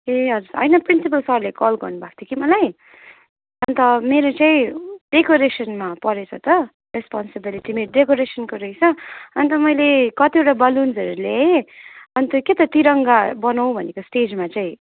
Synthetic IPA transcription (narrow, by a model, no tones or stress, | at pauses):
eʌd͡zuɾʌ̰jnʌprinsip̬ʌlsʌɾlekɔlɡʌrnubʱak̚ʰt̪ʰjokimʌlaj | ʌnt̪ʌmeɾot͡saĩɖ̥ekoɾesʌnmapʌɾet͡sʰʌ̰t̪ʌ | respɔnsebiliʈimeɾoɖekoɾesʌnkoɾʌjt͡sʰʌʌnt̪ʌmʌjlekʌt̪ieʈabʌlund͡zʌɾule | ʌnt̪ʌket̪ʌt̪iɾʌŋɡabʌnaw̃bʱʌnekosʈed͡zmat͡sãĩ